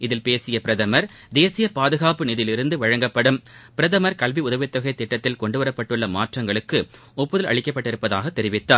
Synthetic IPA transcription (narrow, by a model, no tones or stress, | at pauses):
ɪðɪlpeːsɪjɐpɪɾɐðɐmɐɾ | d̪eːsɪjɐpaːðɯɣaːpɯnɪðɪlɪɾɯnd̪ɯʋɐɻɐŋɡɐpːɐɽɯmpɪɾɐðɐmɐɾkɐlʋiʊðɐʋɪt̪ːɐɣɐɪt̪ːɪʈːɐt̪ːɪlkɔɳɖɯʋɐɾɐpːɐʈːɯɭːɐmaːʈrɐŋɡɐɭɯkːɯ | ɔpːɯðɐlɐ̰ɭɪkːɐpːɐʈːɪɾɯpːɐðaːɣɐt̪ːɛɾɪʋɪt̪ːaː